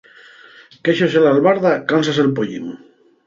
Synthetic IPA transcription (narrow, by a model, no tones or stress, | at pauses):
keʃos̬elalβaɾðakansaselpoʎḭŋ